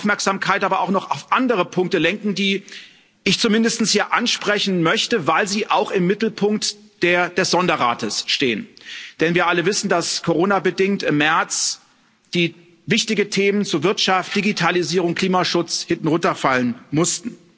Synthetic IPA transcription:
aʊfmɛɐkz̥aːmkʰaɪtʔaːbɐaʊxnɔχaʊfʔandəʁəpʰʊŋk̚təlɛŋkŋ̩diː | ʔɪçt͡sumɪndəstn̩shiːɐʔanʃpʁ̥ɛçn̩mœçtəvaɪlziːʔaʊxɪmːɪtl̩pʰʊŋk̚t | d̥eːɐd̥ɛsz̥ɔndɐʁa̰ːtəsʃteːənd̥ɛnviːɐʔaləvɪsn̩daskʰoʁoːnabədɪŋtɪmːɛɐt͡s | d̥iː | vɪçtɪɡətʰeːmənt͡suːɐvɪɐtʃaft̚d̥iɡitʰaliziːʁ̞ʊŋkʰliːmaʃʊt͡shɪntn̩ʁʊntɐfalənmʊstn̩

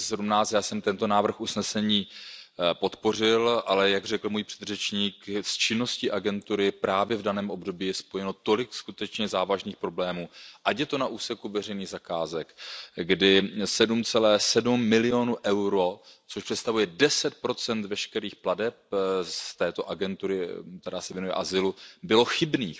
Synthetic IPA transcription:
sɛdumnaːt͡st̪jaːsɛmt̪ɛnt̪o̞naːvr̩xʔusnɛsɛɲiː | po̞t̪po̞r̝ɪlʔalɛjaɡrɛkl̩mujpr̝̥ɛd̪rɛt͡ʃɲiːkst͡ʃɪno̞scɪʔaɡɛnt̪uɾɪpɾaːvjɛvdanɛːmʔo̞bdo̞biːjɛspo̞jɛno̞t̪o̞lɪkskut̪ɛt͡ʃɲɛzaːvaʒniːxpɾo̞blɛːmuːʔacjɛt̪o̞naʔuːsɛkuvɛr̝ɛjniːɣzakaːzɛkɡdɪsɛdumt͡sɛlɛːsɛdumːɪlɪo̞nuʔɛwɾo̞t͡soʃpr̥ɛt̪st̪avujɛdɛsɛt̪̚pɾo̞t͡sɛnt̪vɛʃkɛɾiːxpladɛp̚st̪ɛːt̪o̞ʔaɡɛnt̪uɾɪt̪ɛɾaːsɛvjɛnujɛ̰ʔazɪlubɪlo̞xɪbniːx

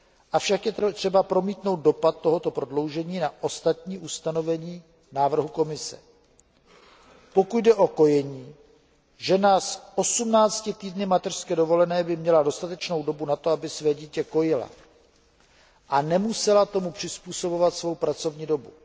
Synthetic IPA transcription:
ʔafʃakjɛt̪r̥ɛbapɾo̞miːt̪no̞wt̪̚do̞pat̪̚ːo̞ɦo̞t̪o̞pɾo̞dlo̞wʒɛɲiːnaʔo̞st̪at̪ɲiːʔust̪ano̞vɛɲiː | naːvr̩ɦuko̞mɪsɛ̰ | po̞kuɟdɛʔo̞ko̞jɛɲiː | ʒɛnasʔo̞sumnaːt͡scɪt̪iːdnɪmat̪ɛr̥skɛdo̞vo̞lɛnɛːbɪmɲɛlado̞st̪at̪ɛt͡ʃno̞wdo̞bunat̪o̞abɪsvɛːɟiːcɛko̞jɪla̰ | ʔanɛmusɛlat̪o̞mupr̥ɪspuːso̞bo̞vat̪svo̞wpɾat͡so̞vɲiːdo̞bu

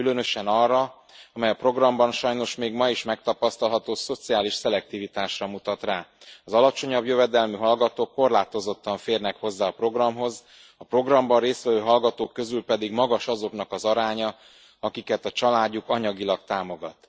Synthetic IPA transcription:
kylønø̞ʃɛnɒrːɒ | ɒmɛjɒpro̞ɡrɒmbɒnʃɒjno̞ʃmeːɡmɒiʃmɛk̚t̪ɒpɒst̪ɒlɦɒt̪oːso̞t̪siaːliʃsɛlɛk̚t̪ivit̪aːʃrɒmut̪ɒt̪raːɒzɒlɒt͡ʃo̞ɲɒbjøvɛd̪ɛlmyɦɒlɡɒt̪oːkːo̞rlaːt̪o̞zo̞t̪ːɒɱfeːrnɛkho̞zːaːɒpro̞ɡrɒmɦo̞z | ɒpro̞ɡrɒmbɒrreːst̪ʋɛvøːɦɒlɡɒt̪oːkːø̞zylpɛd̪iɡmɒɡɒʃɒzo̞knɒkɒzɒɾaːɲɒ | ɒkikɛt̪ɒt͡ʃɒlaːɟːukɒɲɒɡilɒkt̪aːmo̞ɡɒt̪

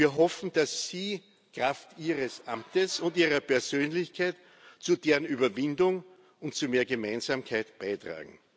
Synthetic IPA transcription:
viːɐɦɔfn̩d̥asːiː | kʁaftiːʁəsʔa̰mtəsʊ̃ntiːʁɐpʰɛɐz̥øːnlɪçkʰaɪt | t͡sudeːʁənyːbɐvɪndʊŋ | ʊntt͡sumeːɐɡəmaɪnz̥aːmkʰaɪtb̥aɪtʁ̥a̰ːɡŋ̩

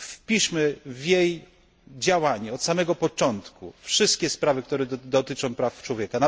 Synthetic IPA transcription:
pʲiʂmɘvʲjej | d͡ʑawaɲɛɔt̪samɛɡɔpɔt͡ʂɔnt̪kṵfʂɘst̪̚kʲɛspɾavɘk̚t̪uɾɛd̪ɔt̪ɘt͡ʂɔ̃w̃pɾaft͡ʂwɔvʲjɛkana

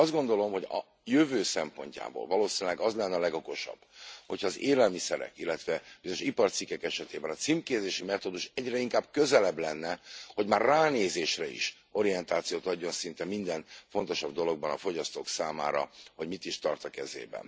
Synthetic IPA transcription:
ɒzɡo̞nd̪o̞lo̞mho̞ɟɒ̰ | jøvøːsɛmpo̞̰ɲca̰ːbo̰ːlvɒloːsinlɛɡɒzlɛnːɛɒlɛɡo̞ko̞ʃɒ̰b̥ːhocʰɒːzeːlɛlmisɛɾɛ̰kilːɛt̪ʋɛb̥izooʃipɒrt̪sikːɛkɛʃɛt̪eːbɛnɒt̪simkeːzeːʃimɛt̪od̪uʃɛɟrɛiŋkaːb̚kø̞zɛlɛblɛnːɛho̞ɟmaːrːaːneːzeːʃrɛḭʃ | o̞ɾijɛnt̪aːt̪sijoːt̪ɒɟːo̞nsint̪ɛmind̪ɛnfo̞nt̪o̞ʃɒb̚d̪o̞lo̞ɡ̚bɒnɒfo̞ɟɒst̪oːksaːma̰ːɾɒ̰ho̞ɟmit̪iʃt̪ɒrt̪ɒkɛzḛːbɛ̰n

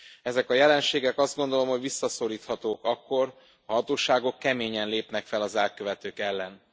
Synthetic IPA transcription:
ɛzɛkɒjɛlɛnʃeːɡɛkɒzd̪ɡo̞nd̪o̞lo̞mho̞ɟʋisːɒso̞ɾiːt̪hɒt̪oːkɒkːo̞r | ɒhɒt̪oːʃaːɡo̞kːɛmeːɲɛnleːpnɛkfɛlɒzɛlkøvɛt̪øːkɛlːɛn

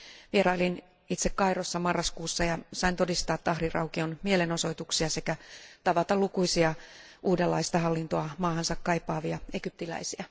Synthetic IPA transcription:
ʋieɾɑolin | it̪sekkɑirosːɑmɑrːɑskuːsːɑjɑsɑint̪o̞dist̪ɑːt̪ːɑhrirɑwkionmieleno̞so̞it̪uksiɑse̞kæt̪ɑʋɑt̪ɑlukuisiɑ | ʔuːdelːɑist̪ɑɦɑlːint̪oɑmɑːɦɑnsɑkkːɑjpːɑːʋiɑe̞ɡ̥yp̚t̪ilæ̰isiæ

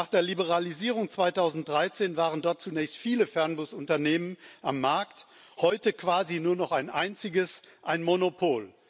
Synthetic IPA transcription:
naːχd̥eːɐlibəʁ̞aliziːʁ̞ʊŋt͡sv̥aɪtʰaʊzn̩t̚d̥ʁaɪt͡seːnvaːʁəndɔɐt̚t͡sunɛːçstfiːləfɛɐnbʊsʊntɐneːmənʔamːaɐkt | hɔʏtəkv̥aːzinuːɐnɔχaɪnʔa̰ɪnt͡sɪɡəsʔaɪnmonopʰoːl

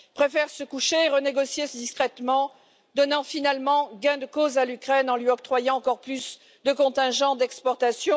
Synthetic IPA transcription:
pχefɛʁsəkuʃeːʁəneɡɔsjesəd̪iskχɛt̪mɑ̃ | d̪ɔnɑ̃finalmɑ̃ɡɛ̃d̪əkozalykχɛnɑ̃lɥiɔp̚t̪χwajɑ̃ɑ̃kɔʁplys | d̪əkɔ̃t̪ɛ̃ʒɑ̃d̪ɛkspɔʁt̪asjɔ̃

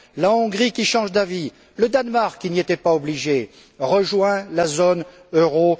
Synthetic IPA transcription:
laɔ̃ɡʁikʲiʃɑ̃ʒd̪avi | ləd̪anmaʁkːiniet̪ɛpaɔbliʒe | ʁəʒwɛ̃lazon | øʁo

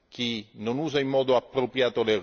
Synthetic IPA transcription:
k̟inonuːzaimːɔːd̪ʊapːɾopɾjaːt̪oler

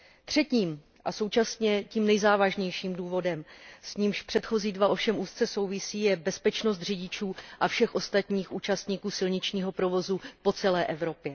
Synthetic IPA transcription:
t̪r̝̥ɛciːm | ʔaso̞wt͡ʃasɲɛciːmnɛjzaːvaʒɲɛjʃiːmduːvo̞dɛmsɲiːmʃpr̝̥ɛt̪xo̞ziːdvaʔo̞fʃɛmʔuːst̪t͡sɛso̞wvɪsiːjɛbɛspɛt͡ʃno̞s̬t̪r̝ɪɟɪt͡ʃuːʔafʃɛxʔo̞st̪at̪ɲiːxʔuːt͡ʃast̪ɲiːkuːsɪlɲɪt͡ʃɲiːɦo̞pɾovo̞zupo̞t͡sɛlɛːʔɛvɾo̞pjɛ

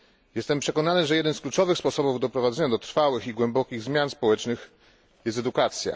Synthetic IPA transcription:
jɛst̪ɛmpʂɛkɔnanɘʐɛjɛd̪ɛnsklut͡ʂɔvɘxspɔsɔbuvd̪ɔpɾɔvad̪zɛɲad̪ɔt̪ɾfawɘxiɡwɛmbɔkʲiɣzmʲjanspɔwɛt͡ʂnɘx | jɛst̪ɛd̪ukat̪sʲja̰

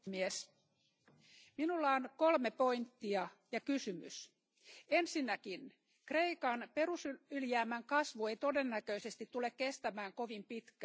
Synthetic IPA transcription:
mies | minulːɑonko̞lmepo̞int̪ːiɑjɑkysymy̰s | ensinːækin | kreikɑnpe̞rusyyljæːmæŋkɑsʋue̞jt̪o̞denːækøisest̪it̪ːulekkest̪æmæːŋkoʋimpit̪kæ

